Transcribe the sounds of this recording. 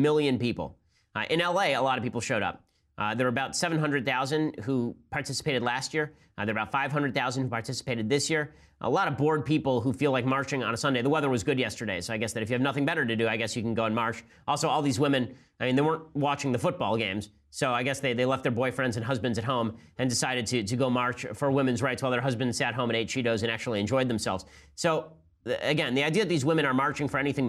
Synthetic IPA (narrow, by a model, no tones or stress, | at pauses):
mɪlˠjɨ̃npipl̩ˠ | ʔɨ̃nɛlˠeɪəlɑɾʌvpipl̩ˠʃoʊɾʌ̰p̚ | ðə˞ə˞əbaʊtsɛvnɦʌ̃ndɹɨd̪̚θaʊzɨ̃ndhupʰɑɹtʰɪsə̥pʰeɪɾɨdˡlæst̚jɪɹ | ðə˞əbaʊtfaɪv̥ɦʌ̃ndɹɨd̪̚θaʊzn̩hupʰɑɹtʰɪsə̥peɪɾɨd̪̚ðɪsjɪɹ | ʔə̰lɑɾʌvbɔɹd̚pipl̩ˠɦufilaɪk̚mɑɹt͡ʃɪ̃ŋə̰̃nəsʌ̃ndeɪðəwɛðə˞wʌzɡʊdjɛstə˞ɾeɪsoʊaɪɡɛsðɨɾɨfjɨːvnʌθɪ̃ŋbɛɾə˞ɾɨdɨaɪɡɛsjɨkn̩ɡoʊə̃nmɑɹt͡ʃ | ʔɔlˠsoʊɔlˠðizwɪ̃mɨ̃n | aɪmĩnðeɪwɜ̃˞nt̚wɑt͡ʃɪ̃ŋðɨfʊt̚b̥ɔlˠɡẽɪ̃mz̥ | soʊaɪɡɛsðeɪðeɪlɛft̪̚ðə˞bɔɪfɹɛ̃ndzɨ̃nɦʌzbɨ̃ndzɨt̚ɦõʊ̃mɨ̃ndɨsaɪɾɨd̚tʰɨɾɨɡoʊmɑɹt͡ʃfə˞wɪ̃mɨ̃nzɹaɪtsʰwaɪlˠðə˞ɦʌzbɨ̃ndz̥sæt̚ɦõʊ̃mɨ̃neɪt̚ʃiɾoʊzɨ̃ñæk̚t͡ʃʉul̩ˠiɨ̃nd͡ʒɔɪd̪̚ðɨ̃m̩sɛ̰lˠvz̥soʊ | ɨɡɛ̃nðiaɪdiɨðɨt̪̚ðizwɪ̃mɨ̃nə˞mɑɹt͡ʃɪ̃ŋfə˞ɛñiθɪ̃ŋ